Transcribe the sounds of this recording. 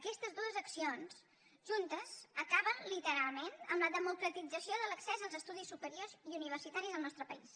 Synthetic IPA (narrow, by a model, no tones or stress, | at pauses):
əkɛst̪əzd̪uəzəksions | ʒunt̪əz̥əkaβənlit̪əɾalˠment̪əmləðəmukɾət̪id͡zəsijoðələksɛzəlˠzəst̪uðisːupəɾioziuniβərsit̪aɾizðəlˠnɔst̪ɾəpəis